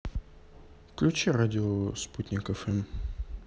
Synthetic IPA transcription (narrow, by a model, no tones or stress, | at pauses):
fklʲʉt͡ɕɛɾadʲɪosput̪ʲnʲɪkɛfɛm